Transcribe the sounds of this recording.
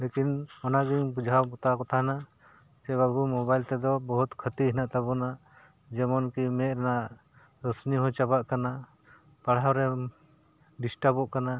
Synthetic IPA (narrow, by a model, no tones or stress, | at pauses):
lekinɔnaɡiŋbud͡ʒʱawbɔt̪akɔt̪ʰaɦna | t͡ʃɛbaɾbumɔbajlt̪ɛd̪ɔbɔɦut̪kʰət̪iɦinaʔt̪abɔna | d͡ʒɛmɔnkimɛɾɛnaʔ | ɾɔsniɦɔ̃t͡ʃabaʔkana | paɽawɾɛ | ɖisʈabɔʔkana